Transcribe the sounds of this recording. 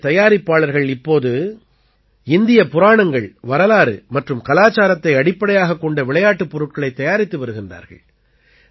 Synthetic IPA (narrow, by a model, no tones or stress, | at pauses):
t̪ɐjaːɾɪpːaːɭɐɾɣɐɭɪpːoːðɯ | ɪnd̪ɪjɐpʊɾaːɳɐŋɡɐɭʋɐɾɐlaːɾɯ̰mɐʈrɯmkɐlaːt͡ʃːaːɾɐt̪ːɐɪɐɽɪpːɐɽɐjaːɣɐkːɔɳɖɐʋɪɭɐjaːʈːɯpːɔɾɯʈ̚kɐɭɐɪt̪ːɐjaːɾɪt̪ːɯʋɐɾɯɣɪndra̰ːɾɣɐ̰ɭ